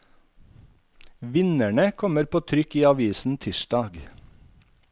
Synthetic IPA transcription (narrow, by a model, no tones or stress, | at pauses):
ʋɪnæɳəkʰɔməɾpʰoːt̪ʰɾʏkiːɑʋiːsn̩t̪ʰɪʃdɑːɡ